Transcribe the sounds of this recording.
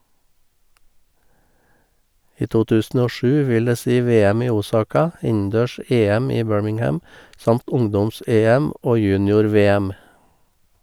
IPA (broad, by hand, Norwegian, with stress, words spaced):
ˈiː ˈtuː ˈtʉːsn̩ ˈoː ˈʃʉː ˈʋɪl ˈdeː ˈsiː ˈʋeːəm ˈiː ˈuːˌsɑːkɑ ˈɪnn̩ˌdøːˌʃeːəm ˈiː ˈbøːɹmɪŋˌhæm ˈsɑmt ˈʊŋdɔmˌseːəm ˈʔoː ˈjʉːnɪʊɾˌʋeːəm